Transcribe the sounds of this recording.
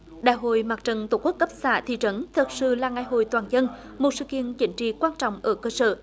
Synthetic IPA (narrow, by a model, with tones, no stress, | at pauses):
ɗa̰ː˧˨jɦo̰˧˨jmaː˨˩k̚t͡ɕə˨˩nt̪o˧˩ku˦˥ək̚kə˦˥p̚saː˧˩t̪ʰḭ˧˨t͡ɕə˨˦nt̪ʰə˨˩t̚sɨ̰˧˨laː˨˩ŋa˨˩jɦo̰˧˨jt̪waː˨˩nzə˧n | mo˨˩t̚sɨ̰˧˨kḭ˧˨ənt͡ɕï˨˦ŋ̟t͡ɕḭ˧˨kwaː˧nt͡ɕɔ̰˧˨wŋ͡mʔəː˧˩kəː˧sə̰ː˧˩